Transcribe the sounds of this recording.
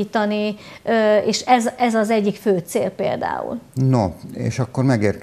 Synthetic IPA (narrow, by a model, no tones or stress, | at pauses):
iːt̪ɒniøeːʃɛzɛzɒzɛɟːikføːt̪seːlpḛːld̪a̰ːṵlnoḛːʃɒkːormɛɡeːrk